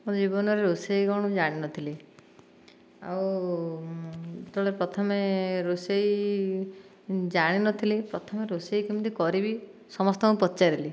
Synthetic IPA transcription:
mũd͡ʒibɔnɔɾeɾusejkɔɽ̃ũd͡ʒaɽ̃inɔt̪ʰili | a̰w | t̪ɔɭepɾɔt̪ʰɔmeɾusei | d͡ʒaɽ̃inɔt̪ʰilipɾɔt̪ʰɔmeɾuseikimnt̪ikɔɾibi | sɔmɔst̪ɔmũpɔt̪ːt͡ʃaɾili

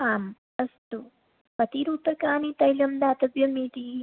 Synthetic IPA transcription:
aːm | ɐst̪u | pɐt̪iɾuːp̪ɐkaːnit̪ɐjlɐmd̪aːt̪ɐbjɐmiːt̪i

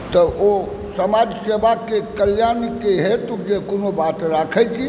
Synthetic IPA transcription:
t̪ɔo | səmad͡ʒsebʱakekəljankeɦet̪ukd͡ʒekonobat̪ɾakʰət͡ʃʰi

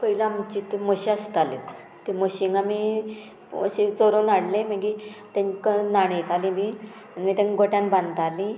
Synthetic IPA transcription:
pəɦilamut͡ɕit̪eməɕiast̪ale | t̪eməɕiŋɡami | ə̰ɕit͡soɾõnaɽlẽməɡit̪ẽnkənaɽ̃et̪alĩbi | anmit̪ãnɡʱoʈjãnbãnd̪t̪alĩ

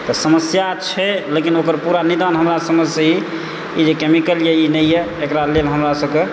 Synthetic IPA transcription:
t̪ɔsəməsjat͡ʃʰɛlekinokəɾpuɾanid̪anɦəmɾasəməd͡ʒʱsə̃ɦi | id͡ʒekemikəljɛinɛjjɛ | ekɾalelɦəmɾasəbke

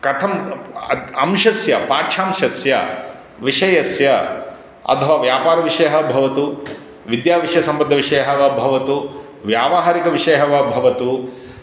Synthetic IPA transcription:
kɐt̪ʰɐmɐɐmʃɐsjɐpaːʈʃʰaːmʃɐsjɐ̰ | ʋiʂɐjɐsjɐ | ɐ̰t̪ʰɐʋaːʋjaːpaːɾɐʋiʂɐjɐɦɐbʱɐʋɐt̪u | ʋid̪jaːʋiʂjɐsɐmpɐd̪ʱːɐʋiʂɐjɐɦɐʋɐbʱɐʋɐt̪u | ʋjaːʋaɦaːɾikɐʋiʂɐjɐɦɐʋɐbʱɐʋɐt̪u

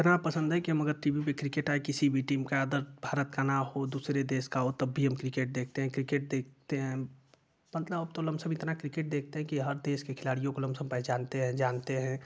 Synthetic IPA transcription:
ɪt̪napəsə̃nd̪ɦɛkiɦəmɐɡəɾʈiːbipekɾɪkeːʈaekɪsibʱiʈiːmkaaːd̪əɾbʱaːɾət̪kanaɦod̪uːsɾed̪eːskaɦot̪ɐbʱiɦəmkɾɪkeːʈ̚d̪eːk̚ʰt̪eɦɛ̃kɾɪkeːʈ̚d̪eːk̚ʰt̪eɦɛ̃ | mət̪ləbəbt̪olɐmsə̃mɪt̪nakɾɪkeːʈ̚d̪eːk̚ʰt̪eɦɛ̃kiɦəɾd̪eːskekʰɪlaːɽijõkolɐ̃msəmpɛd͡ʒaːnt̪eɦɛ̃d͡ʒaːnt̪eɦɛ̃

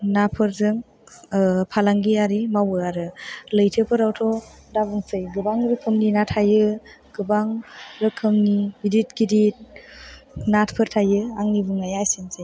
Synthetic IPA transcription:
napʰɯɾzɯŋ | pʰalaŋɡiaɾimawɯaɾɯlɯjtʰɯpʰɯɾawtʰɔ | dabɯŋsɯjɡɯbaŋɾɯkʰɯmninatʰajɯ | ɡ̥ɯbaŋɾɯkʰɯmniidit̚ɡidit̚ | natʰpʰɯɾtʰajɯaŋnibɯŋajajsenzaj

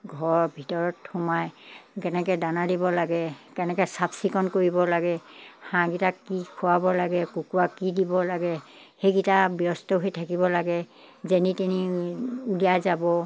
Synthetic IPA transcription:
ɡʱɔɹbʱitɔɹɔthɔmajkɛnɛkɛdanadibɔlaɡɛkɛnɛkɛsabsikɔnkoɹibɔlaɡɛhãɡitakːikʰʊwabɔlaɡɛkukuakːidibɔlaɡɛhejɡitabjɔstɔɦojtʰakibɔlaɡɛ | zenitiniuliazabɔ

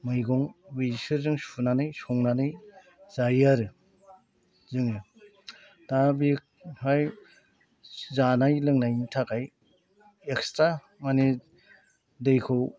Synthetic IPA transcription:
mɯjɡɔŋwisɯɾzɯŋsunanɯjsɔŋnanɯj | z̥ajaɾɯ | zɯŋɯ | dabik̚haj | zanajlɯŋnajintʰakaj | ek̚stɾa | mani | dɯjkʰɯw

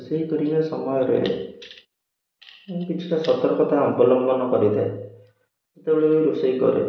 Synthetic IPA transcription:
seikɔɾimasɔmɔjɔɾḛ | ekit͡ʃʰi̥ʈɔsɔt̪ɔɾkɔt̪aɔmbɔlɔŋɡɔnɔkɔɾit̪ʰae | set̪ebeɭeːɾusejkɔ̰ɾḛ

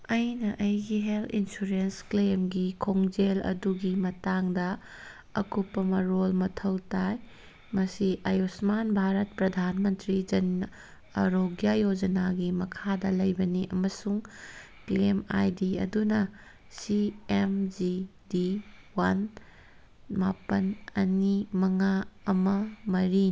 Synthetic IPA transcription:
ɐjnɐʔɐjɡiɦelinsuɾensklemɡikʰoŋd͡ʒelɐ̰duɡimɐtaŋdɐː | kupːɐmɐɾolmɐtʰɐwtaj | mɐsiʔɐjosmanbʱaɾɐt̚pɾɐdʱanmɐntɾid͡ʒɐn | ɐɾoɡjajod͡ʒɐnaɡimɐkʰadɐlɐjbɐniʔɐmɐsuŋ | klema̰jdiɐ̰dunɐ | siemd͡ʒidiwan | mapɐnɐnimɐŋaɐmɐmɐɾi

